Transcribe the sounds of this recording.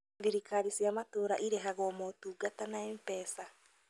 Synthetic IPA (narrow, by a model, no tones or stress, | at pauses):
ðiɾikaɾisiamatoːɾaʔiɾeɦaɣɔmotuɡatanaempɛːsa